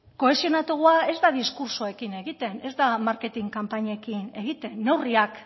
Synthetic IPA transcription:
ko̞e̞sio̞nat̪uɣ̞uae̞zd̪aðiskuɾsoe̞kine̞ɣ̞it̪e̞ne̞zd̪amaɾke̞t̪iŋkampaɲekine̞ɣ̞it̪e̞nːe̞wriak

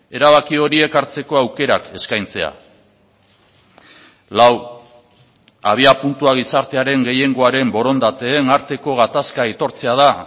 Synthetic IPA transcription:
e̞ɾaβ̞akio̞ɾie̞kaɾt͡se̞ko̞awke̞ɾake̞skajnt͡se̞a̰ | law | a̰β̞iapunt̪uaɣ̞isaɾt̪e̞aɾe̞ŋɡe̞je̞ŋɡo̞aɾe̞mbo̞ɾo̞nd̪at̪e̞ːnaɾt̪e̞ko̞ɣ̞at̪askait̪o̞ɾt͡se̞að̞a

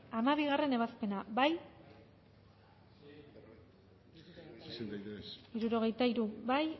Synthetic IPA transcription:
amaβiɣare̞ne̞β̞aspe̞naβaj | iɾuɾo̞ɣ̞e̞jt̪aiɾuβaj

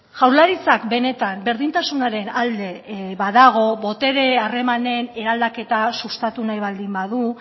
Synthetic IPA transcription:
ʝawɾlaɾit͡sakbe̞ne̞t̪ambe̞ɾðint̪asunaɾe̞nald̪e̞βaðaɣ̞o̞βo̞t̪e̞ɾe̞are̞mane̞ne̞ɾald̪ake̞t̪asust̪at̪unajβald̪imbaðu

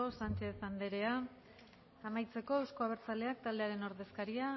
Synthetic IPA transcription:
osant͡ʃe̞θand̪e̞ɾe̞aː | majt͡se̞ko̞ewsko̞aβ̞e̞ɾt͡sale̞ak̚t̪ald̪e̞aɾe̞no̞ɾðe̞skaɾia

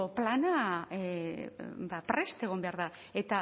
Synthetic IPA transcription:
oplana | bapɾe̞st̪e̞ɣ̞o̞mbe̞aɾða | e̞t̪a

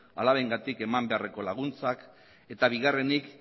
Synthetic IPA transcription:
alaβeŋɡat̪ike̞mambe̞areko̞laɣ̞unt͡sak | e̞t̪aβ̞iɣare̞nik

